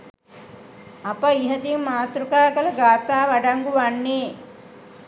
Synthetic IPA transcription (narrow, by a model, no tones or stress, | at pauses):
apəiɦɐd̪iŋmaːt̪ɾukaːkɐlɐɡaːt̪aːʋaɖaŋɡuʋanːeː